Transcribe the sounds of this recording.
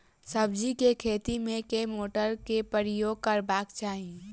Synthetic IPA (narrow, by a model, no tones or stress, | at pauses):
səbd͡ʒikekʰeːt̪imẽkemoːʈəɾkepəɾɪjoːɡ̚kəɾbaːkt͡ʃaːɦi